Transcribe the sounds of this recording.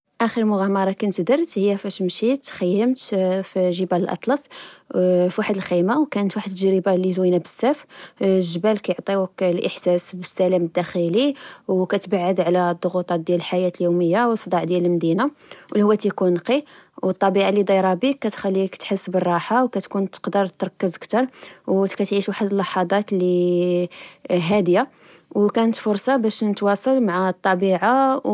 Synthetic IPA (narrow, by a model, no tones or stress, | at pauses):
ʔæxəɾəlmʊɣæmɑɾˤɑkænət̪d̪əɾt̪həjːæfæʃmʃit̪ːxəjːəmt̪fiʒəbæləlʔɑ̰t̪ˤlɑsˤ | fiwaħəd̪əlximawkænət̪waħəd̪ʒɾibalit̪winabəsːæfʒəbælkæjoʕt̪ˤiwklʔəħsæsbəsːælæməd̪ːæxiliwkæt̪baʕːəd̪ʕlæd̪ˤːoɣut̪ˤɑt̪̚d̪jæləlħajæt̪əljuməjːawsˤːd̪ˤɑʕd̪jæləlmd̪inawlihuwːæt̪ikunqiwət̪ˤːɑbiʕalːid̪ˤɑjɾˤɑbikːæt̪xælːikt̪ħəsːbərˤːɑħawkæt̪kunt̪ə̥qd̪əɾˤt̪ɾˤɑkːəzəkt̪ɑɾˤwkæt̪ʕiʃwaħəd̪əlːɑħɑd̪ˤɑt̪li | ɦæd̪ja | wkænət̪fʊɾˤsˤɑbæʃnət̪wɑsˤɑlmaʕat̪ˤːɑbiʕa